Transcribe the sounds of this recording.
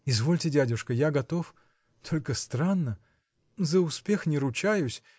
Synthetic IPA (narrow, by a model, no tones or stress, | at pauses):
ɪzvo̞lʲtʲɪdʲædʲʊʂkəjaɡɐt̪o̞f | t̪ʰo̞lʲkəst̪ɾanːə | zəʊspʲe̞xnʲɪɾʊt͡ɕajʊsʲ